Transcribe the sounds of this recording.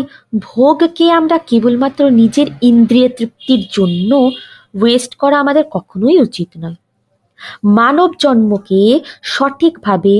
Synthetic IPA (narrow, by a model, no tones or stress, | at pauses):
bʱoɡkeamɾakebulmat̪ːɾonid͡ʑeɾind̪ɾiet̪ɾip̚t̪iɾd͡ʑonːo | wesʈkɔɾaamad̪eɾkɔkʰonojut͡ɕit̪nɔe | manobd͡ʑɔnmokeʃɔʈʰikbʱabe